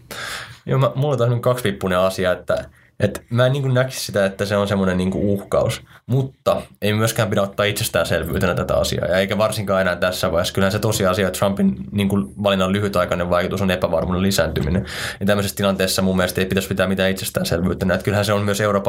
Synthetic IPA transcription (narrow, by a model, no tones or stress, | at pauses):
joːmæmulːoet̪ɑsmekɑkspipːuneɑsiɑet̪ːæ̰ | ʔet̪mæːniːŋkunnæki̥ssit̪æet̪ːæseonsemːonenniːŋkṵuhkɑusmut̪ːɑeimæmyøskæːmpiɾæot̪ːɑːit̪sest̪æːnselʋy̰ːt̪ænæt̪æt̪æ̰ɑ̰sḭɑ̰ːjɑeikæʋɑrsiŋkɑːenæːnt̪æsːæʋɑiheskylhæset̪osiɑsiɑt̪rɑmpinniːŋkuʋɑlinːɑllyhyt̪ɑikɑneʋʋɑikut̪usonepæʋɑrmunelisæːnt̪yminejɑt̪æmːøsest̪ilɑnt̪eːsːɑmumːielest̪eipit̪æspit̪æːmit̪æːit̪sest̪æːnselʋyːt̪ænæet̪kylhæseommyøseuroːpɑ